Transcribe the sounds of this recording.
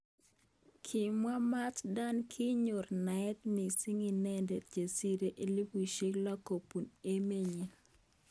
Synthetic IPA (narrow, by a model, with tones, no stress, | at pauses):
kʰi˨mwa˦ma˦tda˦nkʰi˦ɲo˨rna˨ɛ˦t̪mi˨si˦ŋi˨nɛ˦nde˨td͡ʒe˨si˦ɾe˦ʔe˦li˦pu˨ʃe˦ɡla˦ko˨pu˨ne˦me˦ɲi˨